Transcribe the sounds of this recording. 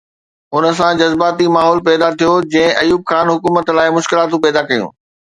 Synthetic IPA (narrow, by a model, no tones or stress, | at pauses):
ʊnə̆sãd͡ʑɐzbaːt̪imaːɦɔːlpɛːd̪at̪ʰijod͡ʑɐ̃ɦɪ̃ʔɐjuːb̚xaːnɦʊkuːmət̪laːɪmʊʃkɪlaːt̪ũpɛːd̪akɐjṵ̃ː